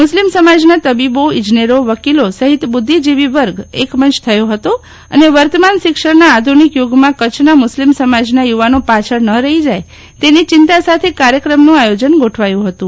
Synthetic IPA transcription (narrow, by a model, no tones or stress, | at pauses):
mʊslimsəmad͡ʒnat̪əbiboɪ̃d͡ʒneɾoʋəkilosəɦit̪bʊd̪ʱːid͡ʒiʋiʋəɾɡekmənt͡ʃt̪ʰəjõɦət̪o | ə̰neʋəɾt̪əmanʃɪkʂəɽnaːd̪ʱunikjuɡmãkət͡ʃʰnamʊslimsəmad͡ʒnajuʋanopat͡ʃʰəɽnəɾəɦid͡ʒaj | t̪enit͡ʃɪnt̪asat̪ʰekaɾjəkɾəmnũajod͡ʒənɡoʈʰʋajũɦət̪ũ